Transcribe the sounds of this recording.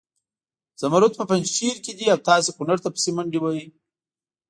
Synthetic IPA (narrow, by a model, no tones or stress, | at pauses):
z̥ɐmaɾut̪̚pəpand͡ʒʃiɾked̪iawt̪ɑːs̬ekunaɾt̪apə̥semaɳɖiwaji